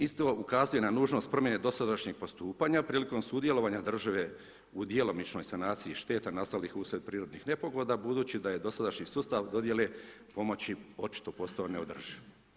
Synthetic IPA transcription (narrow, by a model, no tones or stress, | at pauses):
ist̪o̞ukazuje̞nanuːʒno̞st̪̚pɾo̞mjeneːd̪o̞sad̪aʃɲe̞ɡ̚po̞st̪uːpaɲapɾiːliko̞msuːd̪je̞lo̞ʋaːɲad̪r̩ʒaʋe̞ | ud̪jelˠo̞mit͡ʃno̞jsanaːt̪siiʃt̪e̞ːt̪anast̪alixusɾet̪̚pɾiːɾo̞d̪nixne̞po̞ɡlod̪abud̪uːt͡ɕid̪aje̞d̪o̞sad̪aʃɲisuːst̪aʋd̪o̞d̪je̞le̞po̞mo̞t͡ɕio̞t͡ʃi̥t̪o̞po̞st̪aoneo̞d̪r̩ʒi